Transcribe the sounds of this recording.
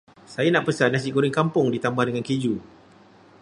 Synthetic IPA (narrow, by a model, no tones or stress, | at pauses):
sajanãʔpəsanːãs̬iʔkuɾɪŋkampʊŋdit̪ambahdəŋãnked͡ʒu